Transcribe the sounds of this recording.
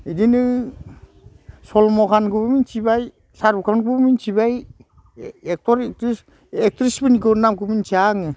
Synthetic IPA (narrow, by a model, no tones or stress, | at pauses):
idinɯ | sɔlmɔkʰanɡɯbɯmint͡ʃibaj | saɾukʰanɡubmint͡ʃibaj | ek̚tɔɾek̚tɾis | ek̚tɾisbinikɯnamkumint͡ʃiaŋɯ